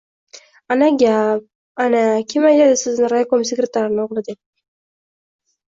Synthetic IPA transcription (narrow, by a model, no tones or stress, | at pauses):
anaɡʲap̚ | anakʲʰemajad̪ɪsɪznɪɾajakomsʲekɾʲet̪ʰaɾɪnɪʊʁlˠɪd̪ɪk̚ʲ